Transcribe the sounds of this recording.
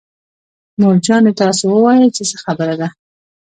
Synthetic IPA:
moɾd͡ʒɑnet̪ɑsowəwɑjət͡ʃesəxabəɾad̪a

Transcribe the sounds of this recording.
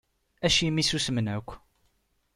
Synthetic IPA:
æʃimisusmənʕəkʷː

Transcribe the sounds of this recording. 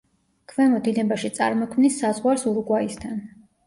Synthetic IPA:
kʰvɛmɔd̪inɛbaʃit̪sʼa̰ɾmɔkʰmnisːazʁwalsuɾɡwaist̪ʰan

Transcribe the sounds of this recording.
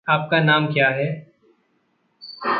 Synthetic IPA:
aːp̚kanaːmkjaːɦɛː

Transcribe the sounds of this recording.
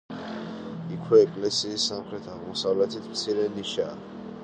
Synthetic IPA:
ikʰwɛːkʼlɛsiːsːamχɾɛt̪ʰaʁmɔsavlɛt̪ʰit̪ʰmt̪sʰiɾɛniʃaː

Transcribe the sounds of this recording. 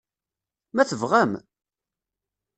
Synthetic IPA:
mæθəvʁæm

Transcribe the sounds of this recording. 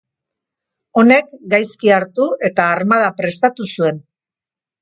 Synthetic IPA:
o̞ne̞kɡajskiaɾt̪ue̞t̪aːɾmað̞apɾe̞st̪at̪usue̞n

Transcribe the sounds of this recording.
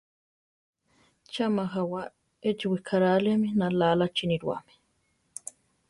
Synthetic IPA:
t͡ʃamaxawa | et͡ʃiwikʰaɾaleminalalat͡ʃiniɾwa̰mi̥

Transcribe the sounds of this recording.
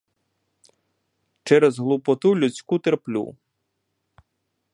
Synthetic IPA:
t͡ʃɛɾɛzɦlˠupɔt̪ulʲut͡sʲkut̪erplʲṵ

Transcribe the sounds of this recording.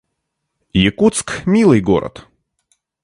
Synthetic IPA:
jɪkut̪skmʲilˠɨjɡo̰ɾə̰t̪

